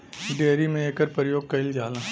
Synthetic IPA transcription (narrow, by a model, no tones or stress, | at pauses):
ɖeːɾimẽeːkəɾpɾjoːɡ̚kɐɪld͡ʒaːlãː